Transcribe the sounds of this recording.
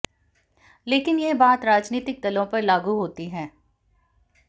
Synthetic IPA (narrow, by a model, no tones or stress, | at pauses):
leːkɪnjebaːt̪ɾaːd͡ʒniːt̪ɪk̚d̪ɐlõpɐɾlaːɡuɦoːt̪iɦɛ̃ː